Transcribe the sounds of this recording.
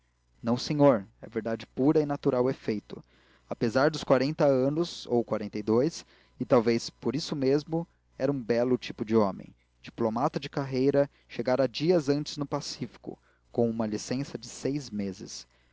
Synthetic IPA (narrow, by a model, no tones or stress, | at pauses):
nɐ̃w̃seɲoɾɛɐveɾd̪ad͡ʒɪpuɾɐɪnat̪uɾawefejt̪ʊ | apezaɾd̪ʊskwaɾẽnt̪ɐɐ̃nʊzo̰wkwaɾẽnt̪ejd̪ojs | ɪt̪awvejspoɾisʊmezmʊ | ɛɾɐũbɛlʊt͡ʃipʊd͡ʒɪɔ̃mḛ̃j̃ | d͡ʒiplomat̪ɐd͡ʒɪkaɦejɾɐ | ʃeɡaɾɐd͡ʒiɐzɐ̃nt͡ʃɪ̥znʊpasifi̥kʊ̰ | kõw̃ũmɐlisẽsɐd͡ʒɪsejzmezɪs